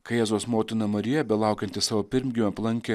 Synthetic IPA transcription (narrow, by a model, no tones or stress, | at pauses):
kɐɪjæːzoːsmoːt̪ʲɪnɐmɐɾʲɪjɛbʲɛlˠɑˑʊkʲɛnt̪ʲɪsɑːʋoːpʲɪɾʲmʲɡʲɪmʲɛɐplˠɐŋʲkʲɛ